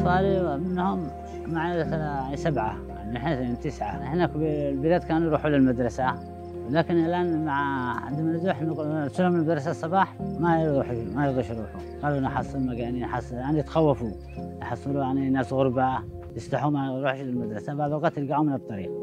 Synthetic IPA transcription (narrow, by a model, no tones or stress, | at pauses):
fˤɑːlimɪnːhʊm | maʕjaʕnisabʕa̰ | jaʕniħeːθnt̪ɪsʕa̰ɪħnaklbɪlaːd̪kaːnujɾuːħulɪlmad̪ɾˤɑsa | wlaːkɪnalʔaːnmaʕʕa̰d̪manzuħnɾsɪlhʊmlmad̪ɾˤɑsasˤːɑbɑːħmajɾuːħmajɪlɣiʃɾuːħhʊmɡɑːlunaħɑsˤːɨlmakaniħɑsˤjaʕnijt̪xawːafu | jħɑsˤːɨlujaʕninːaːsɣʊɾba | jɪst̪ɑħhʊmaɾuːħʃlɪlmad̪ɾˤɑsabaʕd̪ˤwɑqɑːt̪jɪlɡaʕumɪnɨt̪ˤːɑɾḭːq̚